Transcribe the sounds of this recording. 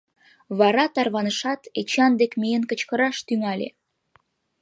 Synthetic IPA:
βɑɾɑt̪ɑrβɑnəʃɑt̪et͡ɕɑnd̪ekmejənkə̆t͡ɕkə̆ɾɑʃt̪yŋɑlʲḛ

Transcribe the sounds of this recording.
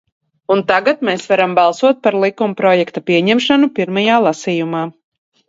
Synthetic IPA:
unt̪aɡat̪meːsvaɾambalˠsuɔt̪̚paɾlˠikumpɾɔjɛkt̪apʲiɛɲɛmʃanupiɾmajaːlˠasijumaː

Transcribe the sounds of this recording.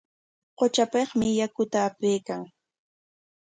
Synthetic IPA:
qot͡ʃapeχmɪjakʊt̪aːpejkaŋ

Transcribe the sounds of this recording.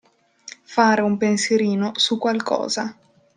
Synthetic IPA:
faːɾeumpensjeɾiːnosukːwalkɔ̰ːza

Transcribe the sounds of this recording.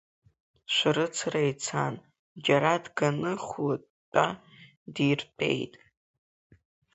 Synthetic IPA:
ʃʷɾɨt͡sʰrejt͡sʰa̰n | d͡ʒaɾadɡanɨχla | tʼːa | dirpʰʼe̞̰jtʼ

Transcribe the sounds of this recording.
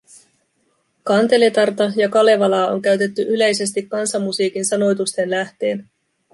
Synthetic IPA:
kɑnt̪e̞le̞t̪ɑrt̪ɑjɑkɑle̞ʋɑlɑːo̞̰ŋkæɥt̪e̞t̪ːyʔyle̞jse̞st̪ikːɑnsɑmːusiːkinsɑno̞jt̪ust̪e̞nlæht̪e̞ːn

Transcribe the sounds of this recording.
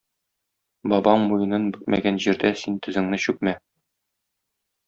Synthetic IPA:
bɒbɑɴmujɤ̆nɤnbɵt̪mʔæ̰ɡænʑiɾd̪æsint̪ɵ̆zɘ̆ŋnɘɕʉk̚mæ

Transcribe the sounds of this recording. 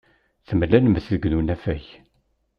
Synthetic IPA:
θəmlːænməθðəɡnunæfæç

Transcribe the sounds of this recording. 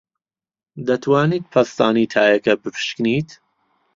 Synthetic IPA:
d̪ɐt̪ʰwaːniːt̪̚pʰɐst̪aːniːt̪ʰaːjɐkɐbɨpʰɨ̥ʃkniːt̪

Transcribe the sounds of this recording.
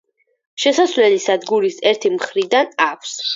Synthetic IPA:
ʃɛsasvlɛlisad̪ɡuɾisɛɾt̪ʰimχɾid̪anakʷʰs

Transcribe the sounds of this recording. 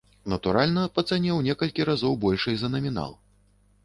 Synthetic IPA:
nɐt̪uɾalʲnɐpɐt̪sanʲɛwnʲɛkɐlʲkʲiɾazɔwbɔlʲʂɐjzɐnɐmʲina̰lˠ

